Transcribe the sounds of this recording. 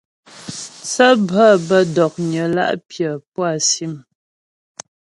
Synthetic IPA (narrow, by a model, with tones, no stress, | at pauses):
t͡sə˦bə˦˨bə˦dɔ˨k̚ɲə˨la̰˦ʔpjə˨pwa˦˨si˦˨m